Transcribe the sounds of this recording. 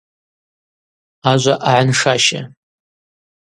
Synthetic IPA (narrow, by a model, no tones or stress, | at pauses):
aʒʷaʔaʕanʂaʃa̰